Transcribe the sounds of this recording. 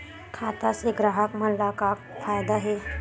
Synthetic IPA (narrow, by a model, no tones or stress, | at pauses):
kʰat̪aseɡɾaɦəkm̤əlaka | fajd̪aɦe